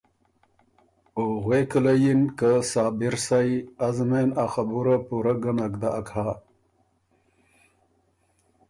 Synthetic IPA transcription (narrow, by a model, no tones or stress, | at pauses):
oɣwekəlajinkəsaːbiɾsajazmenaxabuɾapuɾaɡanakd̪aʔakʰaː